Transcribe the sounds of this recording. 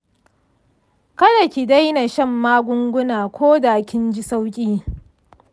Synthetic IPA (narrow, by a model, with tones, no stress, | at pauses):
kɐ˦da˨kʲi˨da˦jna˨ʃɐ˦˨mːaː˦ɡʷʊ˦ŋɡʷʊ˦naː˨kʷoː˦da˨kʲɪ˦nd͡ʒɪ˦sa˦wkʲʼiː˦